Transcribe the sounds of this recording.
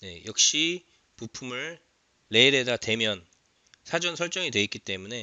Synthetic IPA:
ne̞̰jʌk̚ɕ͈i | pupʰumɯɭː | e̞ɾe̞dadwe̞mjʌn | sʰad͡ʑʌnsʰʌɭt͡ɕ͈ʌŋidwe̞ik͈it͈e̞mune̞

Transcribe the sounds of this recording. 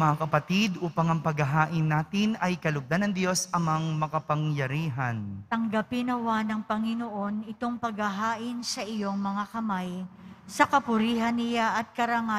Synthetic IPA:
mɐakɐpɐt̪id̪ʔuːpɐŋɐŋpɐɡɐɦaːʔɪnːaːt̪ɪnɐjkɐlʊɡ̚d̪anɐŋd̪jo̞sɐŋmɐaŋmɐkɐpɐŋjɐɾiːɦɐnt̪ɐŋɡɐpɪnɐwanɐŋpɐŋɪnoʔo̞nɪt̪o̞ŋpɐɡhɐɦaːʔɪnsɐʔɪjo̞ŋmɐŋakɐmajsɐkɐpʊɾiːɦɐnːɪjaʔɐt̪̚kɐɾɐŋa

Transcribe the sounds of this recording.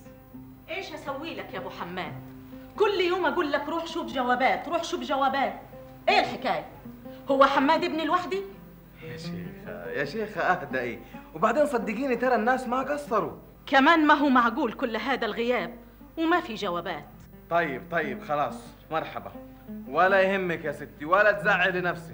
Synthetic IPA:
ʔeːʃhasawːiːlakjaːmʊħamːæːd̪̚ | kʊlːjoːmʔæɡuːlːakɾˤuːħʃuːbd͡ʒæwæːbæːt̪ɾuːħʃuːbd͡ʒæwæːbaːt̪ | ʔeːlħɪkaːjæhʊwːæħamːæːd̪ʔɪbnɪlwaħd̪i | jæʃḛːxjaʃeːxʔahd̪æʔeːwebaʕd̪eːnsˤɑd̪ːɪɡiːnit̪ɑɾˤɑnːaːsmaɡɑsˤːɑɾˤu | kæmaːnmaɦuːmaʕɡuːlkʊlːɦaːd̪ælɣɪjaːb̚ | wɪmæfiʒawæːbaːt̪ | t̪ˤɑjːɪb̚t̪ˤɑjːɪbxɑlɑːsˤ | mɑɾˤħɑba̰ | wælæjhɪmːɪkjasɪt̪ːiwælæt̪zaʕːilɪnæfsi

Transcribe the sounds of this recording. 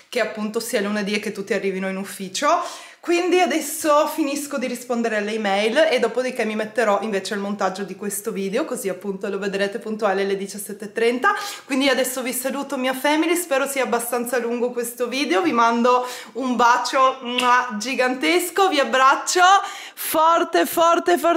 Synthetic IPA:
keapːunt̪osialuned̪iekːet̪ːut̪ːiarːiːvinoinufːiːt͡ʃo | kwind̪iad̪ɛsːofiniskod̪iɾispond̪eɾealːeimɛjled̪ːɔːpod̪ik̟emːimet̪ːeɾɔʔiɱveːt͡ʃealmont̪ad͡ʒːod̪ikwest̪oviːd̪eokoziapːunt̪oloved̪ɾeːt̪epunt̪ualelːed̪it͡ʃasːɛt̪ːet̪ːɾɛnt̪akwind̪iad̪ɛsːovisaluːt̪omiafɛːmilispɛːɾosiːaːbːast̪ant̪saluŋɡokwest̪oviːd̪eovimand̪o | umbaːt͡ʃoad͡ʒiɡant̪eskoviabːɾat͡ʃːo | fɔrt̪efɔrt̪efɔ

